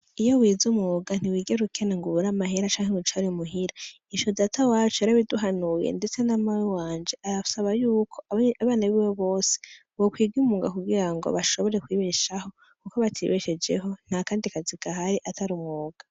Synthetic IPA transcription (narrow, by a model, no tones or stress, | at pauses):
ijo̞wiːzumŋoːɡan̥iwiːɡeɾukʰe̞neŋɡuβuɾamaɦeɾat͡ʃaːŋheŋut͡ʃaɾimuɦiɾa | iʃozatawaːt͡ʃoaɾaβiduɦanujḛnde̞t͡se̞namawiwaːnd͡ʒe̞ʔaɾausaβajuːkʰo̞aβaːnaβiwoβo̞ːse̥ | wokwiːɡiumuːɡakuɡiɾaŋɡo̞̰βaʃo̞βo̞ɾe̞kwiːβeʃaho̞ | kukoβatʰḭβeʃed͡ʒe̞̰ɦo̞n̥hakaːndikaziɡaɦaɾiʔataɾumŋoːɡ̥a